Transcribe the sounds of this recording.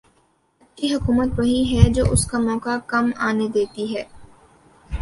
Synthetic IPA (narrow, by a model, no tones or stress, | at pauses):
ɐiɦʊkuːmət̪ʋɐɦiɦɛd͡ʒo̰ːʔʊskamɔːkakɐmaːned̪eːt̪iɦɛː